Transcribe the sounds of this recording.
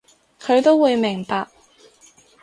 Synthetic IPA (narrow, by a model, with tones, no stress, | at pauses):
kʰɵ˨˧ɥt̪o˥wwuː˨˧jmɪ˨˩ŋpaː˧k̚